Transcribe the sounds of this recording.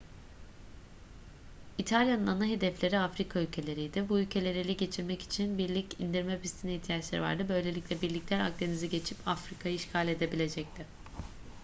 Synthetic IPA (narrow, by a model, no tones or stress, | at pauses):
it̪ʰalʲjanɯnanaɦe̞d̪ɛflʲe̞ɾiafɾikʰaylʲcʰe̞lʲe̞ɾijd̪ɪbuylʲcʰe̞lʲe̞ɾilʲiɟe̞t͡ʃʰiɾmɛci̥t͡ʃʰinbiɾlʲicind̪iɾmɛpʰist̪ʰiniçt̪ʰijat͡ʃlˠa̰ɾ̰va̰ɾd̪ɯbø̞jlʲelʲicʲlʲɛbiɾlʲiclʲæɾa̰k̚d̪e̞niziɟe̞t͡ʃʰipʰafɾikʰajɯiʃkʰalʲe̞d̪e̞bilʲe̞d͡ʒɛc̚t̪ʰɪ